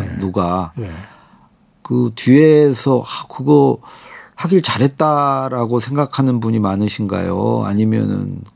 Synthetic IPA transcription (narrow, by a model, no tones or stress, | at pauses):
nːuɡa | kɯt͡ɕue̞sʰʌakɯɡʌ | haɡiɭt͡ɕaɾɦe̞t̚t͈aɾaɡosʰe̞ŋɡakʰanɯnbuɲimanɯɕʰinɡa̰jo̰a̰ɲimjʌ̰nɯ̰n